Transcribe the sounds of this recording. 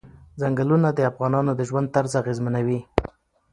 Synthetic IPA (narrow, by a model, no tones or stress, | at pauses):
zaŋɡəlunad̪əafɣɑnɑnod̪əʒwand̪̚t̪aɾzaɣezmanawi